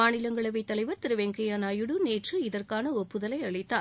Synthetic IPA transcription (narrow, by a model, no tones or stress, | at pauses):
aːnɪlɐŋɡɐɭɐʋɐɪt̪ːɐlɐɪʋɐɾt̪ɪɾɯʋeŋkɐjaːnaːjɯɽɯneːʈrɯɪðɐrkaːnɐɔpːɯðɐlɐɪɐɭɪt̪ːaː